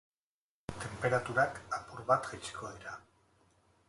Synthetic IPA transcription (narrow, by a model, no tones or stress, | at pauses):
t̪e̞mpe̞ɾat̪uɾakapuɾβat̪ʝet͡ʃi̥kʰo̞ðiɾa